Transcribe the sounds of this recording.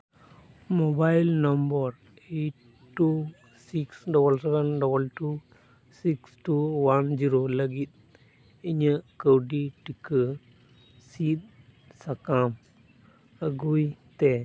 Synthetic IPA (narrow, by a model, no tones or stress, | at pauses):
mobajilnəmbəɾ | eʈ | ʈːu | siksɖɔbəlsɛʋənɖɔbəlʈu | siksʈuwand͡ʒiɾoləɡit̪̚ | iɲəkəwɖiʈikə | sit̪̚ | sɐkam | əɡujt̪e